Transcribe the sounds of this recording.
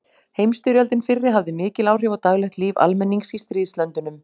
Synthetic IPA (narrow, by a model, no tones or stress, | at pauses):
hejmst̪ʏɾjalt̪ɪnfɪrːɪɦavðɪmɪːcɪlaːwr̥jɛwvat̪aɣlɛxt̪liːva̰lmɛnːiŋsist̪ɾiːðslœnt̪ʏnʏm